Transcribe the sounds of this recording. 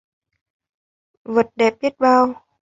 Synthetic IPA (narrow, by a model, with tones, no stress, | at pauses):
və˨˩t̚ɗɛ˨˩p̚ɓi˦˥ət̚ɓaː˧w